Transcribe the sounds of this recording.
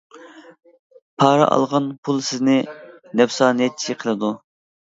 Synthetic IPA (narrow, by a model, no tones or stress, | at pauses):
pʰɑːɾɑ̰ʔɑ̰lˠʁɑnpʰulˠsɪznɪnɛwsɑːnɛt̪̚t͡ʃʰi̥ʃiqʰəlˠɨd̪u